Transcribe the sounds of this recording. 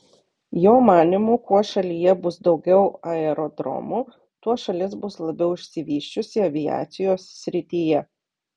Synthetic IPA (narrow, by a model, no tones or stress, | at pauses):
joːmɑːnʲɪmuːkuɔʃɐlʲiːjɛbʊsd̪ɒʊɡʲɛʊɐɛɾɔd̪ɾɔ̰muː | t̪uɔʃɐlʲɪsbʊslˠɐbʲɛʊɪʃʲsʲɪʋʲiːʃʲt͡ʃʲʊsʲɪɐʋʲɪjɑ̰ːt̪sʲɪjoːsːʲɾʲɪt̪ʲiːjɛ